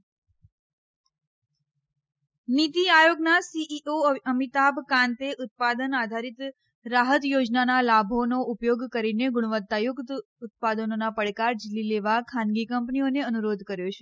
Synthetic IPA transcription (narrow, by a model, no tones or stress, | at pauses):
nit̪iajoɡnasiʔioəmit̪abkãnt̪eʔʊt̪̚pad̪ənad̪ʱaɾit̪ | ɾaɦət̪jod͡ʒnanalabʱonoupjoɡkəɾineɡʊɽ̃ʋət̪ːajʊkt̪ | ʊt̪̚pad̪ənonapəɭkaɾd͡ʒilileʋakʰãnɡikəmpnioneənuɾod̪ʱkəɾjot͡ʃʰe